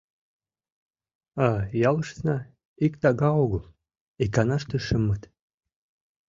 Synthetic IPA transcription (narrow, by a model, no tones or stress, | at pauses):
ɑjɑləʃt̪nɑ | ikt̪ɑɣɑoɣəlˠ | ikɑnɑʃt̪əʃəmːət̪